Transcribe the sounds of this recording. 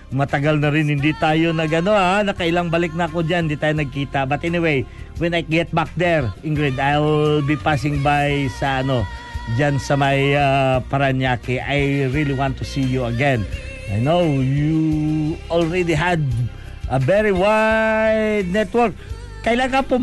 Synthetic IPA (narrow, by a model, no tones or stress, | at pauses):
mɐt̪ɐɡalnɐɾɪnhɪnd̪it̪aːjo̞nɐɡɐno̞aanɐkɐʔɪlaŋbɐlɪk̚nɐɐko̞d͡ʒanhɪnd̪it̪aːjonɐɡ̚kiːt̪ɐbɐt̪ɛniwejwɛ̃najɡɛt̪̚bak̚d̪ɛɹʔɪŋɡɹid̪ajlbipas̬ɪ̃ŋbajsɐʔɐno̞ | d͡ʒansɐmɐjapɐɾɐnjakɪʔajɹiliwãnt̪ːusijuɐɡɛ̃n | ajnowju | ɔlɹɛd̪iɦɐd̪̚ | ʔɐvɛɹiwajd̪̚nɛt̪wɔɹkː | ɐʔɪlaŋkɐpo